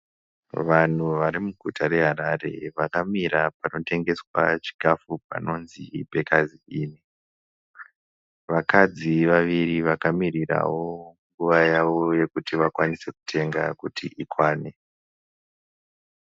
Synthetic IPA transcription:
ʋan̤uʋaɾimuɡʱutʰaɾe̞ɦaɾare̞̰ʋakamiɾapano̞te̞ŋɡe̞swa̰t͡ʃi̥ɡʱafup̚a̰no̞nzibʱe̞kaziiːni | ʋakad͡ziʋaʋiriʋakamirira̰wo̞ŋɡuʋajaʋo̞je̞kutiʋakwanise̞ku̥tʰe̞ŋɡakutʰḭʔikwaːne

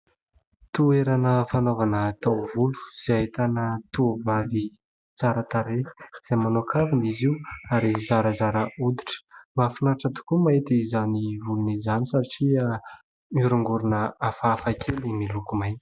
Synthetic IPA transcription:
t̪ueɾanəfanovanət̪awvulu̥z̥aat̪anət̪uvavi | t͡saɾət̪aɾehə̥z̥ajmanokʰaviniziwaɾizaɾəzaɾəud̪iʈ͡ʂə̥mafinaʈ͡ʂat̪u̥kumaet̪izanivulunizanisaʈ͡ʂia | muɾuŋɡuɾunəafaːfakʰelimilukumajni̥

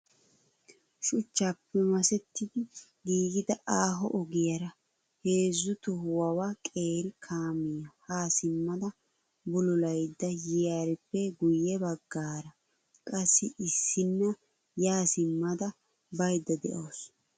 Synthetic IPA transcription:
ʃʊt͡ʃːapːɛmɐsɛt̪ːɪd̪ɪ | ɡiːɡɪd̪ɐʔaːɦɔʔɔɡɪjɐɾɐ | heːzːʊt̪ɔɦʊwɐwakʼeːɾɪkʰaːmɪjɐhaːsɪmːɐd̪ɐ | bʊlʊlɐjd̪ːɐjɪjaːɾɪpːɛɡʊjːɛbɐɡːaːɾɐ | kʼɐsːɪʔɪsːɪnːɐ | jaːsɪmːɐd̪ɐ | bɐjd̪ːɐd̪ɛ̰ʔoːs

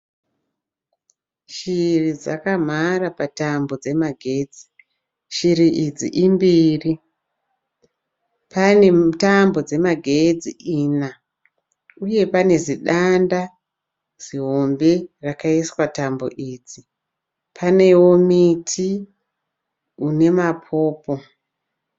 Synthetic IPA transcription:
ʃirid͡za̰kam̤aɾapatambo̞d͡ze̞maɡʱed͡zi | ʃiɾiʔid͡zḭʔimbiːri | pane̞tambo̞d͡ze̞maɡʱe̞d͡ziʔiːna | uje̞pane̞ziɗanda | z̥iɦo̞mberakaiswatambo̞̰ʔiːd͡zi | pʰane̞womitʰi | une̞mapʰo̞ːpo̞

